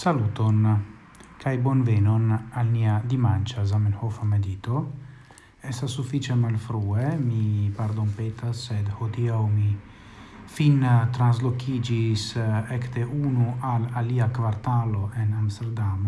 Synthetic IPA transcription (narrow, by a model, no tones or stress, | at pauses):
salut̪on | kʰajbonvenonalmiad̪imant͡ʃazamenhofamed̪it̪o | est̪asːufit͡ʃemalfɾuemipaɾd̪onpet̪asːed̪hod̪iawmi | fint̪ɾanzlokʰid͡ʒisekt̪eʔunualaliakvaɾt̪aloʔenamst̪eɾd̪am